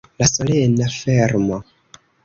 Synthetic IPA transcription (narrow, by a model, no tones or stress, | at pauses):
lasolenafeɾmo